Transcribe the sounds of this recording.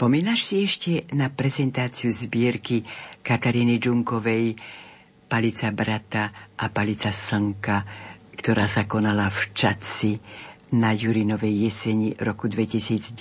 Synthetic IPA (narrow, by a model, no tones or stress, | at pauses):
pɔmiːnaʃsiɛʃcɛnapɾɛzɛnt̪aːt͡siuzbɪɛɾkikat̪aɾiːnid͡ʒuŋkɔʋɛj | palit͡sabɾat̪aʔapalit͡sasəŋkakt̪ɔɾaːsakɔnalaft͡ʃat͡sinajuɾinɔʋɛjːɛsɛɲiɾɔkud̪ʋɛcisiːd͡z